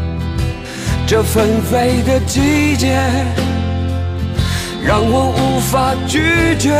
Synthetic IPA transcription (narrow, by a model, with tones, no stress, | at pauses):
ʈ͡ʂə˥˧fə˧nfe˧˩ɪd̪ə˨t͡ɕi˥t͡ɕɛ˧˥ | ɻɑ˧ŋwɔ˧ʔu˧˥fa˧t͡ɕy˧˥t͡ɕɛ˧˥